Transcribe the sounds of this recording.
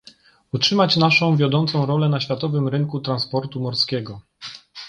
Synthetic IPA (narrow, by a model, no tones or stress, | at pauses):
utʂɘmat͡ɕnaʂɔ̃w̃vʲjɔd̪ɔnt̪sɔ̃w̃ɾɔlɛnaɕfʲjat̪ɔvɘmɾɘŋkut̪ɾanspɔɾt̪umɔɾskʲɛɡɔ